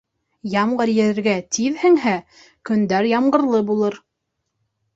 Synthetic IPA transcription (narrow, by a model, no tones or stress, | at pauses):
jɑmʁɤɾjɘ̆ɾɘ̆ɾɡæt̪ʰiðhɘ̆ŋɦæ | kɵ̆nd̪æɾjɑmɢɤ̆ɾlˠɤbulˠɤɾ